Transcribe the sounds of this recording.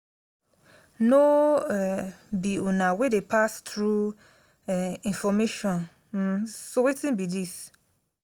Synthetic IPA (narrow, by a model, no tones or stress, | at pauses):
no | biunãwedepʰastɾu | ĩnfɔmeʃɔ̃n | m̩sowetĩnbidis